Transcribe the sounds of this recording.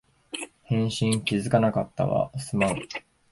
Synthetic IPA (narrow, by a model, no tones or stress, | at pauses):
hẽ̞ɰ̃ɕĩŋkʲizɨkanakat̪ːa̰βa̰sɨmã